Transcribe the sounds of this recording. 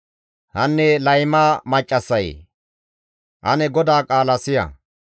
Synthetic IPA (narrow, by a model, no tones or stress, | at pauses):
hɐnːɛlɐjmaːmɐt͡ʃʼːɐsːɐj̰ | ʔɐnɛɡɔd̪aːkʼaːlɐsɪjɐ̰